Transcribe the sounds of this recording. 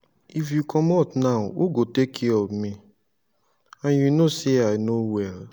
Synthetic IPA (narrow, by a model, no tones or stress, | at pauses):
ifjukʰɔmɔtnaʊoɡotekʰiɔmi | ãnjunoseaɪnowɛl